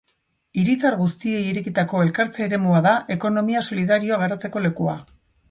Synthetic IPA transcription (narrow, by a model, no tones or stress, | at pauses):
iɾit̪aɾɣust̪ie̞jiɾe̞kit̪ako̞e̞lkaɾt͡saːɾe̞muaðaʔe̞ko̞no̞miaso̞liðaɾio̞aɣ̞eɾat͡se̞ko̞le̞kua